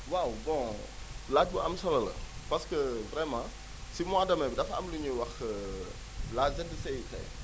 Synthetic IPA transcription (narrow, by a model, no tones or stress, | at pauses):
wawbɔ̃ | laːc̚buʔɐmsɐlɐlɐ̰pɐskəvrɛmã | simwaːdɐmɐbdɐfɐ̰mluɲuwɐx | laːzɛdəsɛjtɛ̰j